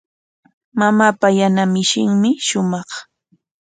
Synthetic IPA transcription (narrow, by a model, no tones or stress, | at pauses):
mamaːpajanamɪʃɪŋmɪʃʊmɑχ